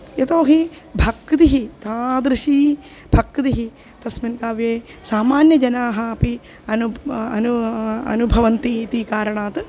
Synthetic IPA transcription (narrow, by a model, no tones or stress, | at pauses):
jɐt̪oːɦibʱɐkːt̪iɦit̪aːd̪ɾɨʃiː | b̥ʱɐkːd̪iɦi | t̪ɐsminkaːʋjeː | saːmaːnjɐd͡ʒɐnaːɦɐɐpi | ɐnuɐ̰nuɐ̰nubʱɐʋɐnt̪it̪ikaːɾɐɳaːt̪